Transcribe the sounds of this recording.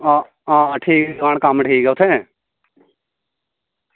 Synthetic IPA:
aː | ãːʈʰiːkɛaːɽ̃kamʈʰiːkɛːʊt̪ʰɛ

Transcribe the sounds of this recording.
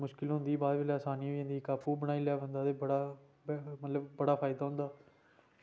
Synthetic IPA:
mʊʃkɪlɦʊ̃nd̪iːbaːɾʋɪːlaːsaːniːɦojə̃nd̪iːkaːpʰuːbəɽ̃aːiːleaːbə̃nd̪aːt̪eːbəɽaː | bmət̪ləbːəɽaːpʰaːɪd̪aːɦʊ̃nd̪aː

